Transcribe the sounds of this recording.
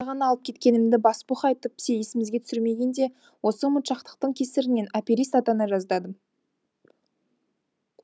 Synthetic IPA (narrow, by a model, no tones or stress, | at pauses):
ʁɑnɑlˠəp̚kʲʰe̞t̪̚kʲe̞nɪmd̪ɪbɑspuχɑjt̪əp̚bɪ̥seje̞sɪmɪzɡʲeʏ̥sɪɾme̞ɡʲend̪e̞ | wo̞səmʊt̪ʃɑqt̪ə̥q̚t̪əɴkʲʰe̞sɪɾɪne̞napʲiɾist̪ɑt̪ɑnɑʒɑzd̪ɑd̪ə